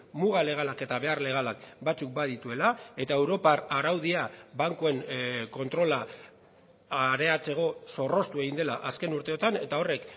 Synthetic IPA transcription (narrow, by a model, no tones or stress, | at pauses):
muɣale̞ɣ̞alake̞t̪aβe̞arle̞ɣ̞alak̚bat͡suk̚bað̞it̪ue̞lae̞t̪ae̞wɾo̞paraɾawðiabaŋkoe̞nko̞nt̪ɾo̞la | aɾe̞at͡se̞ɣo̞so̞ro̞st̪ue̞ɣind̪e̞laʔaske̞nuɾt̪e̞ot̪ane̞t̪ao̞re̞k